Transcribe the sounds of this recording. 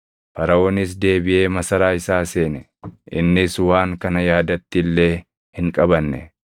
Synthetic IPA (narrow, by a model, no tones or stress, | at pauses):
fɐɾɐoːnɪs̬d̪e̞ːbɪʔe̞ːmɐsɐɾaːɪsaːse̞ːnɛ | ʔɪnːɪswaːŋkɐnɐjaːd̪ɐt̪ːɪlːe̞ː | hɪŋkʼɐβɐnːɛ̰